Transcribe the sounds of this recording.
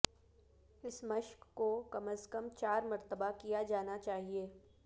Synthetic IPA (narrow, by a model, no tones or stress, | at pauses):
ɪsmɐʃkːokɐməskəmt͡ʃaːɾmɐɾt̪əbakijad͡ʒaːnat͡ʃaːɦieː